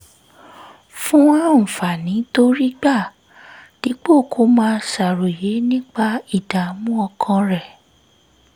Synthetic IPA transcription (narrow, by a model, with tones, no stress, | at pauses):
fũ˦wã˦m̩̃˨fa˨nĩ˨˦to˦ɾi˦ɡ͡ba˦˨ | d̥i˨˦k͡po˦˨kʰo˨˦mãː˦˧sa˨ɾo˨je˨˦nĩ˦k͡pa˧i˦˨da˨˦mũ˦ɔ˧kʰã˧ɾɛ˨